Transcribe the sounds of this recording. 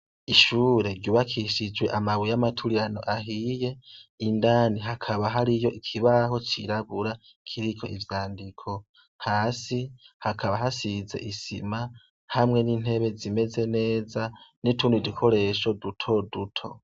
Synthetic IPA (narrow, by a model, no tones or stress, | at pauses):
iʃuːɾe̞ɾɟuβakʰiʃid͡ʒwe̞ʔamawijamatʰuɾijano̞̰ʔaɦije̞indaːniɦakʰaβaɦaɾijo̞ʔikʰiβaɦo̞t͡ʃiɾaβuɾa | kʰiɾiko̞ivjaːndikʰo̞ | haːsihakʰaβaɦasize̞̰ʔisḭma | hamŋe̞niːn̥e̞βe̞zime̞ze̞ne̞ːzanitʰuːndidikʰo̞ɾe̞ʃo̞dutʰo̞dutʰo̞̰